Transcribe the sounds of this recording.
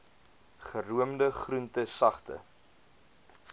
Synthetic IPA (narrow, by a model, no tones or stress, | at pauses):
χəruəmdəχruntəsɐχtə̰